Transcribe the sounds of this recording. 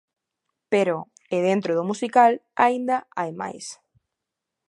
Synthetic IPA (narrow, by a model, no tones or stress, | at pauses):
peɾo | eðent̪ɾoðʊmusikala̰ind̪aa̰jma̰js